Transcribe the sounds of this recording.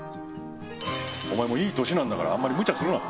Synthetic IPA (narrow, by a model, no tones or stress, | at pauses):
o̞̰maemo̞iːt̪o̞ɕinãnd̪aka̰ɾa̰ã̰mːaɾʲimɯ̟t͡ɕasɨɾɯna̰